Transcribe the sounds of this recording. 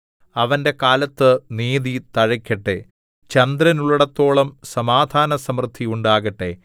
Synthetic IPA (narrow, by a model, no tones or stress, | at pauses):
ɐʋɐnde̞kaːlɐt̪ːɨniːðit̪ɐɻɐkʲːɐʈːe̞ | t͡ɕɐnd̪ɾɐnuɭːɐɽɐt̪ːo̞ːɭɐmsɐmaːd̪ʱaːnɐsɐmrd̪ʱːiuɳɖaːɣɐʈːe̞